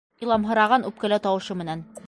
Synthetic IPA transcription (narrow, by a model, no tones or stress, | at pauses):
ilˠɑmɦɤ̆ɾɑʁɑnʉp̚kæ̆læt̪ɒwɤ̆ʃɤmɘ̆næn